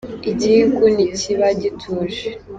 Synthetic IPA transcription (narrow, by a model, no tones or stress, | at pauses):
iɟikuniciβaɟitʰuːʒe